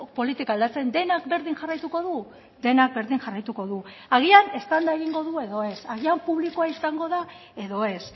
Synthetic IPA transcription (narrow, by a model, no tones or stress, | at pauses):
po̞lit̪ikaːld̪at͡se̞nd̪e̞nakbe̞ɾðiŋʝarajt̪uko̞ðu | d̪e̞nak̚be̞ɾðiŋʝarajt̪uko̞ðu | aɣ̞iane̞st̪and̪ae̞ɣiŋɡo̞ðue̞ðo̞e̞saɣiampuβlikoaisaŋɡo̞ða | e̞ðo̞e̞s